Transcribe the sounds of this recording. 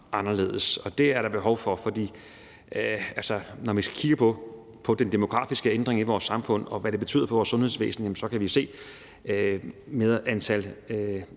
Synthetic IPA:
ɑ̈nɐle̝̰ːð̞ˠəsɒ̽d̥e̝æɐɾ̥ɑ̈b̥e̝ɦɒʊfɒ̽fɒ̽d̥ḭː | ælsənɒʋisɡ̥æ̥kʰiɡ̥əpʰɒ̽ | pʰɒ̽d̥end̥e̝mo̝ɡ̥ʁɑ̰̈ːfisɡ̥əend̥ʁeŋiʋɒːsːɑ̈mfɔ̽n̰ɒ̽ʋæɾ̥e̝b̥e̝t͡sʰy̰ːð̰ˠɐfɒʋɒːsːɔ̽nhe̝ðˠsʋḛːsn̩jæmnsɒ̽kʰæʋise̝̰ː | meðˠɐʔænt͡sʰæl

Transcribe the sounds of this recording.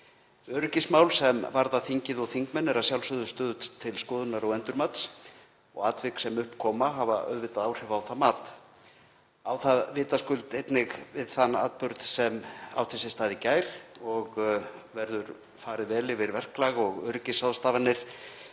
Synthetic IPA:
œɾʏcɪsmawlsɛmvaɾðaθiɲcɪðɔɣθiŋkmɛnːɛɾasjawlsʏðʏst̪œːðʏt̪ʰɪlskɔːðʏnaɾɔɣɛnt̪ʏɾmat̪s | ɔ̰ɣat̪vɪksɛmʏhpkʰɔːmaɦavaʔœ̰ðvɪt̪aðawr̥ɛvaːwθamaːt̪ | awθaðvɪːt̪askʏlt̪ejt̪nɪɣvɪðθanːa̰ːt̪̚pʏɾðsɛma̰wt̪ʰɪsɪst̪aːðɪcaːjɾ̥ɔɣvɛɾðʏɾ | faːɾɪðvɛːlɪvɪɾvɛr̥klaɣɔɣœɾʏcɪsaðst̪aːvanːɪɾ̥

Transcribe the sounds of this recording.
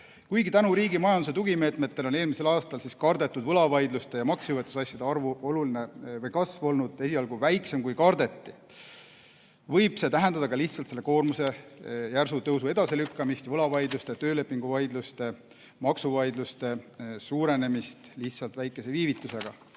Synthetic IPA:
kujɡit̪ænuɾiːɡimɑjɑnd̪us̬et̪uɡ̥ime̞ːt̪ˑme̞t̪ːe̞lo̞ne̞ːlmise̞lɑːst̪ɑlsiskɑrd̪e̞t̪ːˑud̪vɤlɑvɑjd̪lust̪e̞jɑmɑksjuvet̪ːˑu̥sɑsʲjɑd̪eɑrvuoluline̞vɤjkɑsvo̞lnud̪̥e̞siɑlɡ̥uvæjkse̞mkujkɑrd̪e̞t̪ːi | vɤ̞jb̥se̞t̪æɦɛnd̪ɑd̪ɑkɑliht̪sɑlt̪se̞lːe̞ko̞ːrmuse̞jærsut̪ɤwsue̞d̪̥ɑse̞lykːɑmist̪vɤlɑvɑjd̪lust̪et̪ø̞ːle̞pːˑiŋɡ̥uvɑjd̪lust̪e̞ | mɑksuvɑjd̪lust̪e̞suːɾe̞ne̞mist̪liht̪sɑlt̪væjkːˑe̞se̞viːvit̪ːˑuse̞ɡ̥ɑ

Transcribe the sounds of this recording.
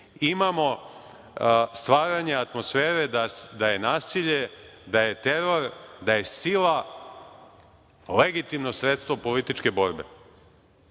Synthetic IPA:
imamo̞ | st̪ʋaːɾaɲe̞at̪mo̞sfeːɾe̞d̪ad̪aje̞naːsiʎe̞d̪aje̞t̪e̞ɾo̞ɾd̪aje̞sila | le̞ɡit̪imno̞sɾet̪st̪ʋo̞po̞lit̪it͡ʃke̞bo̞ɾbḛ

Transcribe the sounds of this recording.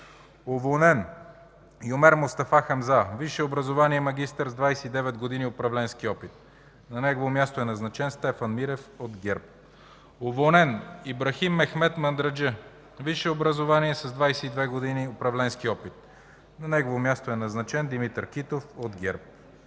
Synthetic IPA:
ovonɛn | iomɛɾmost̪ɐfaxɐmzaviʃɛobɾɐzovaniɛmɐɡ̟ʲist̪əɾzd̪vajsɛid̪ɛvɛd̪ɡod̪iniopɾɐvlɛnskiɔpit̪̚ | nɐnɛɡovomʲjast̪oɛnɐznɐt͡ʃɛnst̪ɛfɐnmiɾɛfod̪ɡʲɛɾp̚ | ovonɛnibɾɐximːɛxmɛt̪mɐnd̪ɾɐd͡ʒə | viʃɛobɾɐzovaniɛsɐzd̪vajsɛid̪vɛɡod̪iniopɾɐvlɛnskiɔpit̪̚ | nɐnɛɡovomjast̪oɛnɐznɐt͡ʃɛnd̪imit̪əɾkit̪ofod̪ɡʲɛɾp̚

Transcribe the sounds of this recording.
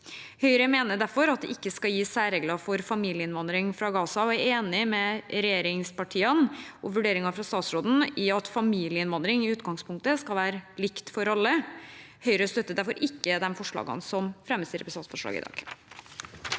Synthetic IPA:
hœʏɾəmeːnəd̪æɾfɔɾɑt̪̚d̪ɛ̰ʔɪkːəskɑljiːsæːɾeːɡlɑfɔɾfɑmiːlɪəɪnʋɑnd̪ɾɪŋfɾɑɡɑːsɑɔæɾeːnɪmɛɾɛjeːɾɪŋspɑʈʰiːənʔɔʋʉɖeːɾɪŋɑfɾɑst̪ɑːt̪sɾoːd̪n̩ɪɑt̪fɑmiːlɪəɪnʋɑnd̪ɾɪŋɪʉːt̪ɡɑŋspʰʊŋk̚t̪əskɑlʋæːɾəlɪkt̪fɔɾɑlːəhœʏɾəst̪œt̪ːəd̪æɾfɔɾʔɪkːəd̪ɛmfɔʂɭɑ̰ːɡə̰nsɔmfɾɛmːəst̪iːɾɛpsɑːt̪fɔʂɭɑ̰ːɡɪ̰d̪ɑ̰ːɡ̥

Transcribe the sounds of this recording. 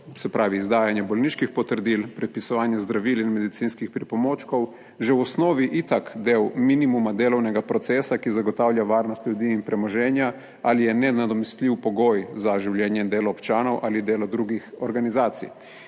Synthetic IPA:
sɛpɾaːʋiːzd̪aːjanjɛbɔlniːʃkixpɔt̪əɾd̪iːlpɾɛt̪̚pisɔʋaːnjɛzd̪ɾaʋiːlinmɛd̪it̪siːnskixpɾipɔmoːt͡ʃkɔw | ʒɛwɔsnɔːʋiʔit̪akd̪ewminimumad̪eːlɔwnɛɡapɾɔt̪sɛːsakizaɡɔt̪aːwlʲjaʋaːɾnɔst̪ʎjud̪iːnpɾɛmɔʒɛːnja | alijɛnɛnad̪ɔmist̪lʲiwpɔɡoːjzaʒiwljɛːnjɛind̪eːlɔɔpt͡ʃaːnɔwʔalid̪eːlɔd̪ɾuɡixɔɾɡanizaːt̪sḭj

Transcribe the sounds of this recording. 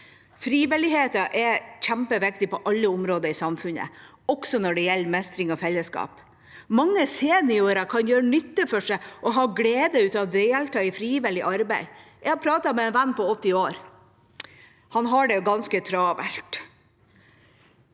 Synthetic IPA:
fɾiːʋɪlɪheːt̪ɑʔɛçæmpəʋɪkt̪ɪpɔʔɑlːəʊmɾoːd̪əɾɪsɑmfʉnə̰ | ɔksɔnɔɖɛjɛlːəmɛst̪ɾɪŋɔfɛlːəskɑ̰ːp | mɑŋːəseːnɪoːɾɑkʰɑnjøːɾəɳʏt̪ːəfɔʂæɪʔɔɦɑːɡleːd̪əʉːt̪ɑʋd̪ɛjɛlt̪ɑɪfɾiːʋɪlɪʔɑɾbæɪjɛhɑpʰɾɑːt̪ɑmɛɛnʋænːpʰɔɔt̪ːɪoːɾ | hɑnɦɑɖɛɡɑnskət̪ʰɾɑːʋɛ̰lt̪

